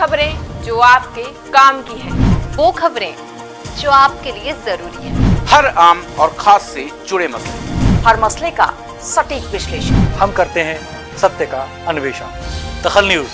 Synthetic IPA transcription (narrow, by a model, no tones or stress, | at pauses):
xɐbɾẽd͡ʒoːaːp̚ke | kaːmkiɦɛ̃ːʋoːxɐbɾẽ | d͡ʒoːaːp̚keliezɐɾuːɾiɦɛ̰̃ːhɐɾaːmɔːɾxʰaːsːed͡ʒʊɽemɐslḛhɐɾmɐsleka̰ | sɐʈiːkʋɪʃleːʃə̰nhɐmkɐɾt̪eɦɛ̃ | sɐt̪jəka | ɐnʊʋeːʃə̰nd̪̥ɐxəlnjuːz